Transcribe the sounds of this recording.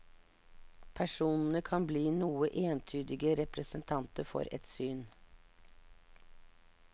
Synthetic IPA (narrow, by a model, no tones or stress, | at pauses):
pʰæʂuːnn̩əkʰɑnbliːnuːəʔeːnt̪ʰyːd̪ɪɡəɾɛpɾəsənt̪ʰɑnt̪əɾfɔ̰ɾɛ̰t̪syːn